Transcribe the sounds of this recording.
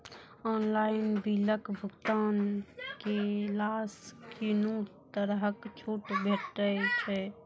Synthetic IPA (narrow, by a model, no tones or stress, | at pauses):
ɔːnlaːɪnbiləkbʱʊɡt̪aːnkelaːskinut̪əɾɦəkt͡ʃʰuːʈbʱeːʈɾət͡ʃʰɛ